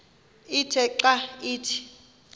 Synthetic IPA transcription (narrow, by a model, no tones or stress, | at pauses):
itʰɛǃaiːtʰi̥